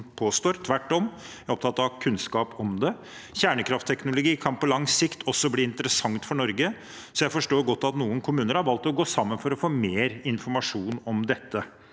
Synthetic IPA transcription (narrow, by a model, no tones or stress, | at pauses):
pʰoːst̪oːɾt̪ʰʋæʈːɔm | æɾɔp̚t̪ʰɑt̪ːɑɑkʰʉnskɑːpɔmd̪ɛ | çæːɳəkʰɾɑft̪ʰːɛknʊlʊɡiːkʰɑnpɔlɑŋsɪkt̪ʰɔsːɔbliːɪnt̪əɾəsɑŋt̪fɔɳɔɾɡə | sɔjæɪfɔʂʈoːɾɡɔt̪ːɑt̪nuːənkʰʊmʉːnəɾhɑɾʋɑlt̪ɔɡoːsɑmːənfɔɾɔfoːmeːɾɪnfɔɾmɑʂuːnɔmd̪ɛt̪ːə